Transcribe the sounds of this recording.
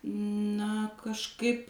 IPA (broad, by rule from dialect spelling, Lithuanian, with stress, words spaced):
nɐ kɐʃˈkɐɪp